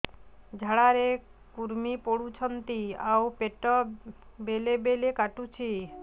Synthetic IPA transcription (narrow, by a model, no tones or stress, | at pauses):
d͡ʑʱaɽaɾe | kuɾmipoɽut͡ɕʰɔnt̪iawpeʈɔbelebelekaʈut͡ɕʰi